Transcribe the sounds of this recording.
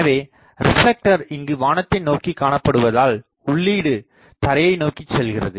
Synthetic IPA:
ɐʋeː | ɾɪflɛk̚ʈɐɾɪŋɡɯʋaːnɐt̪ːɪnoːkikːaːɳɐpːɐɽɯʋɐðaːl | ʊɭːiːɽɯ | t̪ɐɾɐjɐɪnoːkɪt͡ʃːɛlɣɪrɐ̰ðɯ

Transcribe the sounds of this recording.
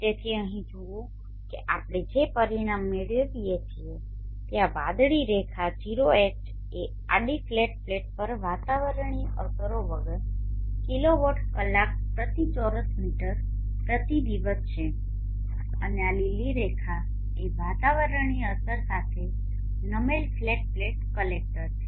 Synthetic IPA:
t̪et̪ʰiəɦĩd͡ʒoõ | keʔapɽ̃ed͡ʒepəɾiɽ̃amːeɭjəd̪ijet͡ʃʰie | t̪jaʋad̪ɭiɾekʰad͡ʒiɾoeʈ | e | a̰ɖifleʈ̚fleʈ̚pəɾʋat̪aʋəɾəɳ̃iəsəɾoʋəɡəɾkiloʋəʈʰkəlːak̚pɾət̪it͡ʃɔɾəsmiʈəɾ | pɾət̪id̪iʋəst͡ʃʰe | ənealiliɾekʰa | eʋat̪aʋəɾəɳ̃iəsəɾsat̪ʰe | nəmelfleʈ̚fleʈ̚kəlek̚ʈəɾt͡ʃʰe

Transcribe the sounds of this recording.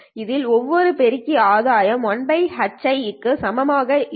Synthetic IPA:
ɪðɪlɔʋːɔɾɯpɛɾɪkːiaːðaːjɐmɔɳbɐɪhɐt͡ʃːɐɪɪkːɯsɐmɐmaːɣɐ

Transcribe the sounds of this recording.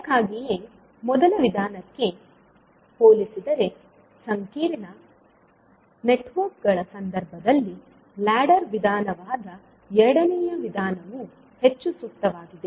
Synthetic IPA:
kaːɡije | mɔd̪ɐlɐʋid̪ʱaːnɐkːe̞ | poːlisid̪ɐɾe̞ | sɐŋkiːɾinɐ | neʈʋɐɾk̚ɡɐɭɐsɐnd̪ɐɾbʱɐd̪ɐlːi | laːɖɐɾʋid̪ʱaːnɐʋaːd̪ɐ | ɛɾɐɽɐnɛjɐʋid̪ʱaːnɐʋu | he̞t͡ʃːusuk̚t̪ɐʋaːɡid̪e̞

